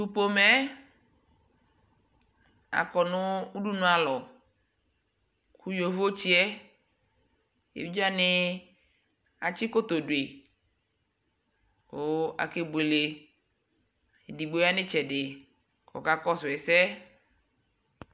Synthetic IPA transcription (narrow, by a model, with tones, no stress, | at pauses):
tu˨po˨mɛ˦ | a̰˨kɔ˨nʊ̃˦u˦ɖu˦nʊ̃˨a˨lɔ˨ | ku˦jo˨vo˦t͡ʃi˦ɛ˦ | ḛ˨bi˦d͡ʒa˦nɪ˦ | a˨t͡ʃɪ˦ko˦t̪o˨dwe˨ | ko˨˦a̰˨ke˦be˨le˨ | e˨di˨ɡ͡bo˦a˦nɪ˦t͡ʃɛ˨dɪ˨ | kʰɔ̰˨ka˦kɔ˦sʊ˨ɛ˨sɛ˦